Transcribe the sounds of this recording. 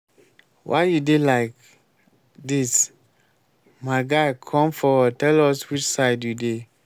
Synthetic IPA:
wʔa̰ɪjudelaɪk | dis | maɪɡaɪkʰɔ̃mfɔtɛlɔswit͡ʃsaɪdjude

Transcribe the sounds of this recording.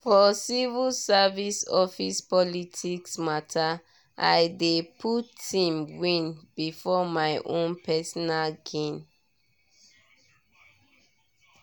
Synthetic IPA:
fɔsivulsavisɔfispɔlitʰiksmatʰa | ʔa̰jdepʰutʰĩmwĩnbifɔmajʔõnpɛsɔnalɡẽn

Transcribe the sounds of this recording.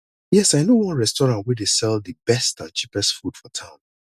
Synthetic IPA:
jɛsaɪnowɔ̃nɹɛstɔɹãntwɛdesɛlˠdɨbɛstãt͡ʃʰipɛstfud̥fɔtʰãʊ̃n

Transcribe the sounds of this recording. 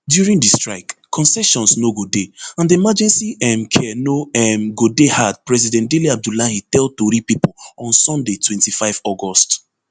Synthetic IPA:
djuɹĩŋdistɹaɪk | kʰːɔ̃nsɛʃɔ̃nsnoɡodeãndiimad͡ʒɛ̃nsiɛmkʰɛnoɛmɡodehad̚pɹɛzidɛ̃nt̚deliab̚dulahitɛld̚toɾipipɔlɔ̃nsɔ̃ndetʰwɛ̃ntifaɪvɔɡɔst

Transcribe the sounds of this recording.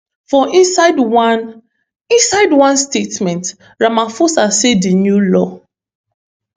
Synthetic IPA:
fɔisdn | ĩnsaɪdwãnstetmɛ̃nt | ɹamãfosasedinjulɔ

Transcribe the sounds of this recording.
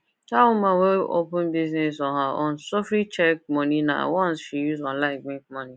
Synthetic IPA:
taʊmaweo̰pʊ̃nbiznesɔɦaʔɔ̃n̩sofɾit͡ʃɛk̚mɔnina̰wɔ̃nsʃijuzalaɪɡ͡bĩkmɔni

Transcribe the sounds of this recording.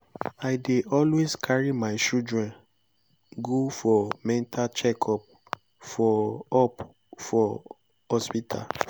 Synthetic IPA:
aɪdeʔɔlweskʰaɹimaɪt͡ʃudɹɛ̃n | ɡofɔmɛ̃ntʰat͡ʃɛkʰɔp̚ | fɔɔp | fɔ | ɔspitʰa̰l

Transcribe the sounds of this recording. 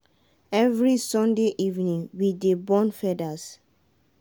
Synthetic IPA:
ɛvɹisɔ̃ndeʔivnĩŋwidebɔ̃nfɛdas

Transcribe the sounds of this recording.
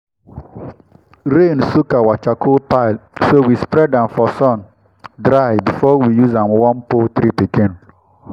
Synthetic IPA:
ɾẽnsukawat͡ʃakʰopaɪlsowispɾɛdãmfɔsɔ̃n | dɾaɪbifɔwijuzãmwɔ̃npot̪ɾipikĩn

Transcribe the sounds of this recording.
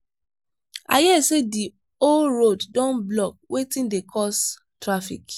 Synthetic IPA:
a̰jɛsedi | olɹoddɔ̃nblɔk̚wetĩndekʰɔs | tɹafḭk

